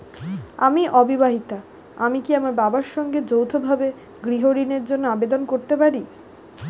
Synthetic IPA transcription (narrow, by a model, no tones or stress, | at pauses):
a̰miʔɔbibaɦit̪a | amikiamaɾbabaɾʃɔŋɡed͡ʑowt̪ʰobʱabe | ɡɾiɦoɾineɾd͡ʑonːoabed̪onkoɾt̪epaɾi